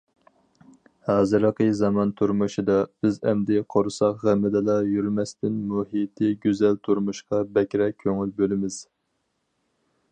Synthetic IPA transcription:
hɑːzɨɾəqəzɑmɑnt̪ʰuɾmuʃɨd̪ɑb̥ɪzɛmd̪ɪqʰoɾsɑqʁæmɪd̪ɨlˠɑjyɾmɛst̪ɪnmuɦit̪ʰɪɡʲyzɛlt̪ʰuɾmuʃqɑbɛkʲɾɛkʲʰːøŋylbølɪmɪz̥

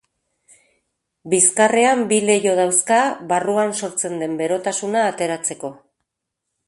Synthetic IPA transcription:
biskare̞ambile̞jo̞ð̞awskaβaruanso̞ɾt͡se̞nd̪e̞mbe̞ɾo̞t̪asunaːt̪e̞ɾat͡se̞ko̞

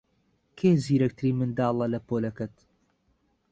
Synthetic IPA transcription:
kʰeːziːɾɐk̚t̪ʰɨɾiːmɨnd̪aːlˠɐlɐpoːlɐkɐt̪

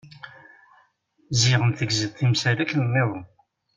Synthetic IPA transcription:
ziʁəmθəɡzəðθimsælækːnənːeðˤo

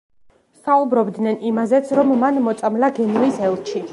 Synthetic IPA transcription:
saubɾɔbd̪nɛnimazɛt̪sʰɾɔmːanmɔt̪sʼamlaɡɛnuisɛlˠt͡ʃʰi

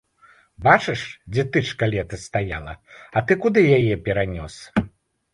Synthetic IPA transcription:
bat͡ʂɨʂd͡zʲɛt̪ɨʂkalʲɛt̪ɐst̪aja̰lˠɐ̰ɐt̪ɨkud̪ɨjajɛpʲɛɾanʲɔs

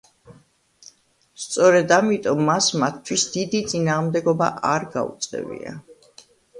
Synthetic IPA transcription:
st̪sʼɔɾɛd̪amit̪ʼɔmːasmat̪ʰːwisd̪̥id̪it̪sʼinaːʁmd̪ɛɡɔba̰ʔaɾɡa̰ṵt̪sʼɛ̰vḭa̰

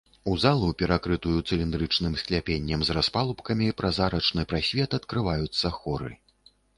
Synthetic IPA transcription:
uzalˠupʲɛɾakɾɨt̪ujut̪sɨlʲind̪ɾɨt͡ʂnɨmsʲklʲapʲenʲːɐmzraspalˠupkɐmʲipɾazaɾɐt͡ʂnɨpɾasʲvʲɛt̪ɐt̪kɾɨvajut̪sːɐxɔɾɨ̰

